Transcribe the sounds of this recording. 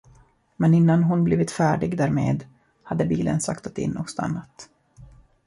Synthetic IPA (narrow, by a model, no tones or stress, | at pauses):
mɛnɪnːanɦʊnbliːvɪt̪fæːɖɪɡd̪æːɾmḛːd̪ | had̪ːəbiːlə̰nsa̰kt̪at̪ɪ̰nːɔ̰st̪a̰nːat̪